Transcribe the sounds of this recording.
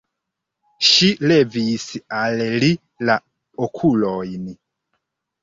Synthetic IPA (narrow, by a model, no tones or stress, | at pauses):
ʃilɛvisialɛli | la | okʰulɔini